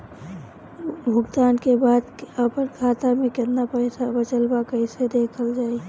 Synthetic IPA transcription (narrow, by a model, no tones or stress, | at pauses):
bʱʊɡd̪aːnkebaːd̪əpənkʰaːt̪amẽkɪt̪napəɪsabət͡ʃəlbakəised̪eːkʰəld͡ʒaːi